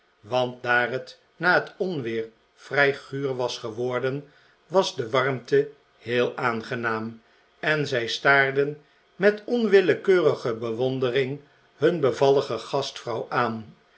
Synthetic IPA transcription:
ʋɑnt̚daːrɦət | naːɦətɔnʋɪːɹ | v̥rɛjχyːrʋɑsχəʋɔɹdən | ʋɑzdəʋɑrmtə | hɪːlˠaːnχənaːm | ɛnzɛjstaːɹdən | mɛtɔnʋɪləkøːrəχəbəʋɔndərɪŋ | ɦɵnbəvɑləχəχɑstfrɑwʔaːn

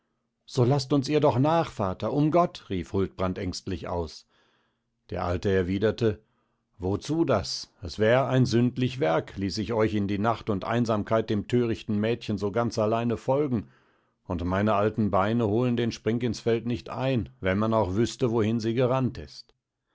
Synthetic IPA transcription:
z̥oːlastʊnsiːɐdɔχnaːχfaːtɐʔʊmɡɔtʁiːfhʊlt̚b̥ʁantʔɛŋstlɪçʔa̰ʊs | d̥eːɐʔaltəɛɐviːdɐtə | vot͡suːdasɛsv̥ɛːʁəaɪnzʏntlɪçv̥ɛɐkʰliːsɪçɔʏçɪndiːnaχtʊntʔa̰ɪnzaːmkʰaɪt̚d̥eːmtʰøːʁɪçtn̩mɛːtçən̩zoːɡant͡salaɪnəfɔlɡŋ̩ | ʊntmaɪnəʔaltn̩baɪnəhoːləndeːnʃpʁ̥ɪŋkɪnsfɛltnɪçtʔa̰ɪnvɛnmanaʊxv̥ʏstəvohɪnziːɡəʁantɪ̰st

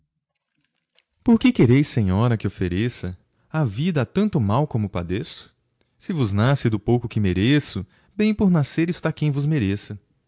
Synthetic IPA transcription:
poɾkɪkeɾejsẽɲɔɾɐkɪofeɾesɐ | avid̪ɐat̪ɐ̃nt̪ʊmawkõmʊpa̰d̪esʊ̥ | sɪvʊznasɪd̪ʊpowkʊkɪmeɾesʊ | bẽj̃poɾnaseɾɪst̪akẽj̃vʊzmeɾesɐ

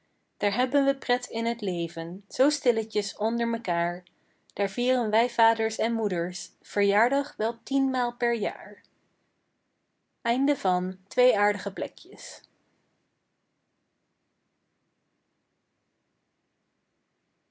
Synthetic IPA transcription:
d̥aːɹɦɛbənʋəprɛtɪnɦətlejvənz̥owstɪləcəsɔndəɹməkaːɹ | d̥aːɹviːrənʋɛjvaːdəɹsɛnmudəɹsv̥əɹjaːɹdɑχʋɛlˠtinmaːlˠpɛɹja̰ːɹ | ɛjndəvɑntʋejaːɹdəχəplɛ̰kjəs

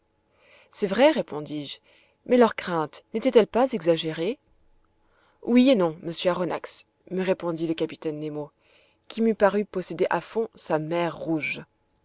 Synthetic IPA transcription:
sɛvʁɛʁepɔ̃d̪iʒ | mɛlœʁkχɛ̃t̪net̪ɛt̪ɛlpazɛɡzaʒeʁe | wienɔ̃məsjøaʁɔna̰ks | məʁepɔ̃d̪iləkapi̥t̪ɛnːemo | kʲimypaʁypɔsed̪eʔafɔ̃samɛʁːuʒ

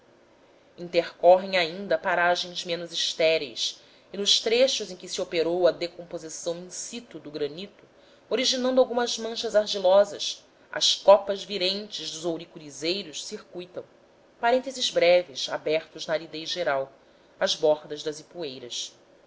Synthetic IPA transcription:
ĩt̪eɾkɔɦẽj̃aĩnd̪ɐpaɾaʒẽj̃zmẽnʊziʃt̪ɛɾḛjs | ɪnʊʃt̪ɾeʃʊzẽj̃kɪsiopeɾowɐd̪ekõmpozisɐ̃w̃ĩsit̪ʊd̪ʊɡɾɐnit̪ʊ | oɾiʒinɐ̃nd̪ʊawɡũmɐzmɐ̃ʃɐzaɾʒilɔzɐ̰s | ɐ̰skɔpɐzviɾẽnt͡ʃɪʒd̪ʊzowɾikuɾizejɾʊʃsiɾkujt̪ɐ̃w̃ | paɾẽnt̪ezɪzbɾɛvɪsa̰bɛχt̪ʊznɐːɾid̪ejʒeɾaw | ɐzbɔɾd̪ɐzd̪ɐzipuejɾɐs

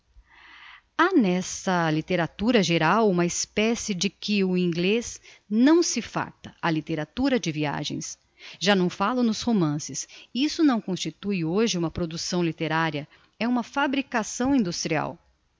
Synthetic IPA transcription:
anɛsɐlit̪eɾat̪uɾɐʒeɾawũmɐɪspɛsɪd͡ʒɪkɪʊĩɡlez | nɐ̃w̃sɪfa̰ɾt̪ɐɐlit̪eɾat̪uɾɐd͡ʒɪvia̰ʒḛ̃j̃s | ʒanɐ̃w̃falʊnʊshomɐ̃sɪsisʊnɐ̃w̃kõst͡ʃit̪ujoʒɪũmɐpɾod̪usɐ̃w̃lit̪eɾaɾiɐ | ɛũmɐfabɾikasɐ̃w̃ĩnd̪ust̪ɾia̰w

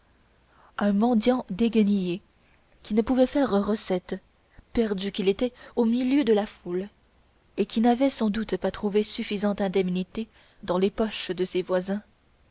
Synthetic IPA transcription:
ɛ̃mɑ̃d̪jɑ̃d̪eɡənije | kʲinəpuvɛfɛʁʁəsɛt̪ | pɛʁd̪ykʲilet̪ɛomiljød̪əlaful | ekʲinavɛsɑ̃d̪ut̪pat̪χuvesyfizɑ̃t̪ɛ̃d̪ɛmnit̪e | d̪ɑ̃lepɔʃd̪əsevwazɛ̃

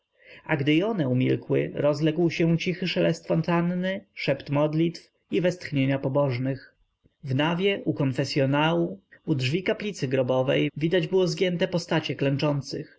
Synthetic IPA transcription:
a̰ɡd̪ɘjɔnɛumʲḭlkwɘ̰ɾɔzlɛɡwɕɛut͡ɕixɘʂɛlɛst̪fɔnt̪anːɘʂɛpt̪mɔd̪lʲit̪f | ivɛst̪xɲeɲapɔbɔʐnɘx | vnavʲjɛʔukɔnfɛsʲjɔnawuudʐvʲikaplʲit̪sɘɡɾɔbɔvɛ̰jvʲid̪ad͡ʑbɘwɔzɡʲjɛnt̪ɛpɔst̪at͡ɕɛklɛnt͡ʂɔnt̪sɘx

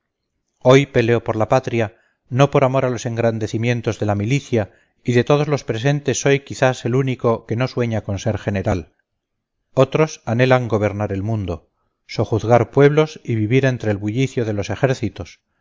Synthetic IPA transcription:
o̞jpe̞le̞o̞po̞ɾlapat̪ɾja | no̞po̞ɾamo̞ɾalo̞se̞ŋɡɾand̪e̞θimjẽ̞nt̪o̞zðe̞lamiliθja | iðe̞t̪o̞ð̞ozlo̞spɾe̞s̬e̞nt̪e̞sːo̞jkiθase̞luniko̞ke̞no̞swe̞ɲako̞nse̞ɾχe̞ne̞ɾal | o̞t̪ɾo̞sane̞laŋɡo̞β̞e̞ɾnaɾe̞lmũnd̪o̞ | so̞χuθðɣaɾpwe̞β̞lo̞siβiβiɾe̞nt̪ɾeːlβuʎiθjoðe̞lose̞xe̞ɾθit̪o̞s

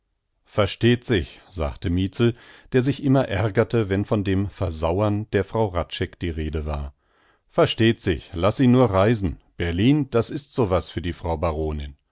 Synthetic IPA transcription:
fɛɐʃteːtz̥ɪçz̥a̰ːktəmiːt͡sl̩d̥eːɐzɪçʔɪmɐʔɛɐɡɐtəvɛnfɔndeːmfɛɐzaʊɐnd̥eːɐfʁ̥aʊʁatt͡ʃɛkd̥iːʁeːdəva̰ːɐ | fɛɐʃteːtz̥ɪ̰çlasiːnuːɐʁaɪzn̩b̥ɛɐliːnd̥asɪstz̥oːvasfyːɐdiːfʁ̥aʊbaʁoːnɪn

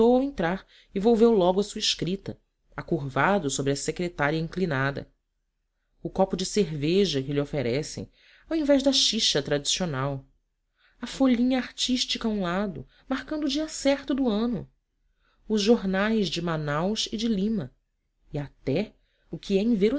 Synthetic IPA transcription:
owawẽnt̪ɾaɾ | ɪvowvewlɔɡʊɐsuɐɪʃkɾit̪ɐ̰ | akuɾvad̪ʊsobɾɪɐsekɾet̪aɾiɐĩŋklinad̪ɐ̰ | ʊkɔpʊd͡ʒɪseɾveʒɐkɪlɪofeɾɛsḛ̃j̃ | awĩvɛʒd̪ɐʃiʃɐt̪ɾad͡ʒisionaw | ɐfoʎĩɲɐaɾt͡ʃiʃt͡ʃikaũlad̪ʊ̰ | mahkɐ̃nd̪ʊːd͡ʒiɐsɛɾt̪ʊd̪ʊɐ̃nʊ | ʊzʒoɾnajzd͡ʒɪmanawʃɪd͡ʒɪlĩmɐ | ɪat̪ɛ | ʊkʰɪɛĩveɾʊ

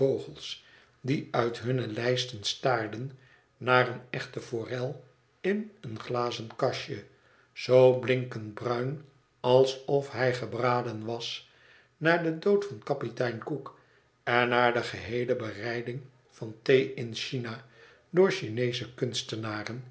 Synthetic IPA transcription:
owχəlˠs | diœɥtɦɵnəlɛjstənstaːɹdən | naːrənɛχtəfoːrɛlˠ | ɪnənχlaːzəntkɑʃə | z̥owblɪŋkəntbrœɥn | ɑlˠsɔfɦɛjχəbraːdənʋɑs | naːɹdədowtfɑnkɑpitɛjnkuk | ɛnːaːɹdəχəɦejləbərɛjdɪŋ | fɑntejɪnʃina | dʊːɹʃinejzəkʏnstənaːrən

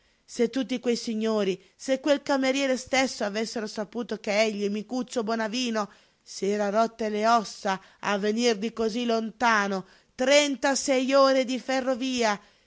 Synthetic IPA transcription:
set̪ːut̪̬ːikwejsiɲːoːɾi | sekːwelkameɾjɛːɾest̪esːoavesːeɾosapuːt̪okeɛʎːimikut̪sːobwɔnaviːno | sɛːɾaɾɔt̪ːeleɔsːa | avːenird̪ikozilont̪aːno | t̪ɾɛnt̪asɛjoːɾed̪iferːoviːa

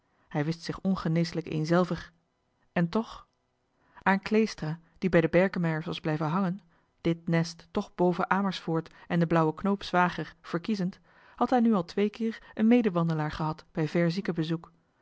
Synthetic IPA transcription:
hɛjʋɪstsɪχɔnχənejsələkḛjnzɛlˠvəɹ | ɛntɔχ | aːnklejstraː | d̥ibɛjdəbɛɹkəmɛjəɹsʋɑzblɛjvənɦɑŋən | d̥ɪt̚nɛstːɔχbowvəʔaːməɹsfʊːɹtɛndəblʌwəknowpsʋaːχəɹv̥əɹkizənt | hɑtɦɛjnyɑlˠtʋejkɪːɹənmejdəʋɑndəlaːɹχəɦɑtb̥ɛjvɛɹzikəbəzuk

